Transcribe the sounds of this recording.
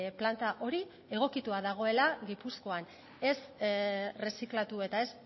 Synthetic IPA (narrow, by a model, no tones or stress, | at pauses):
plant̪aʔo̞ɾi | e̞ɣ̞o̞kit̪uaðaɣ̞o̞e̞laɣipusko̞an | e̞s | re̞siklat̪ue̞t̪ae̞s